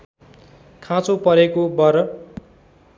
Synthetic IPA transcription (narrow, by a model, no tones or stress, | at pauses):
kʰãt͡sopʌɾekobʌɾʌ